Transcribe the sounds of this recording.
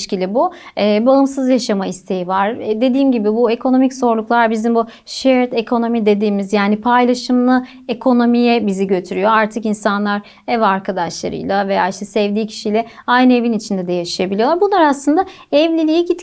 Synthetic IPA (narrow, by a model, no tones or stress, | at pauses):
ʃcilʲibuɛːbaɯmsɯzjaʃamaist̪ʰe̞jivaɾ̥d̪e̞d̪iːmɟibibue̞kʰo̞no̞miczo̞ɾlˠuklˠaɾbizimbu | ʃeɾt̪ekʰo̞no̞mid̪e̞d̪iːmizjaːnipʰajlˠaʃɯmlˠɯ | ekʰo̞no̞mijɛbiziɟø̞t̪ʰyɾyjo̞aɾt̪ʰɯkinsanlˠaɾ | ɛvaɾkʰad̪aʃlˠa̰ɾɯ̰jlˠaveja̰ːiʃt̪ʰɛsɛvd̪iːcʰi̥ʃijlʲɛ | ajnɯe̞vinit͡ʃʰind̪ɛd̪ɛjaʃɯjabilʲijoaɾbunlˠaɾaslɯnd̪a | ɛvlʲilʲijiɟit̪